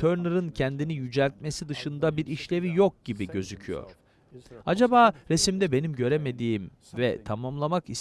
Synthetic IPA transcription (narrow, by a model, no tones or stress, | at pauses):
t̪ʰøɾnɯɾɯncʰɛnd̪inijyd͡ʒælʲt̪̚me̞sid̪ɯʃɯnd̪abiɾiʃlʲe̞vijok̚ɟibiɟø̞zycʰyjo̰ɾ̥ | ad͡ʒabaːɾesimd̪ɛbe̞nimɟø̞ɾeme̞d̪iːm | vɛt̪ʰamamlˠamakis